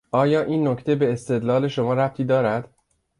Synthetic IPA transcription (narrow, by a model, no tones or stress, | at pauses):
ʔɒːjɒːʔiːnːoct̪ʰe̞be̞ːst̪e̞d̪lɒːle̞ʃo̞mɒːɾæp̚t̪ʰiːd̪ɒːɾæd̪̥